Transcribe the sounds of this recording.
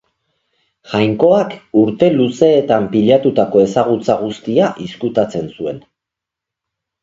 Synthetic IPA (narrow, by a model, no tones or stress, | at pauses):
ʝajŋko̞akuɾt̪e̞luse̞ːt̪ampiʎat̪ut̪ako̞e̞saɣut͡saɣ̞ust̪iaʔiskut̪at͡se̞nsue̞n